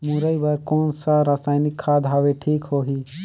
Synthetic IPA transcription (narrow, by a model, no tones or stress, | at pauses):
mũɾəibaɾkɔːnsaɾaːsaːɪnɪkʰːad̪ʱɦaʋeʈʰiːkhoːɦiː